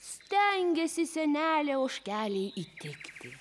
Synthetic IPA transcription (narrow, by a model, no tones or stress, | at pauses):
sʲt̪ʲɛŋʲɡʲɛsʲɪsʲɛnʲæːlʲɛoːʃʲkʲæːlʲɛɪit̪ʲɪkt̪ʲɪ